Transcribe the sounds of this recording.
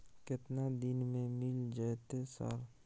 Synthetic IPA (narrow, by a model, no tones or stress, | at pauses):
kɪt̪nad̪ɪnmẽmɪld͡ʒaet̪esa̰ɾ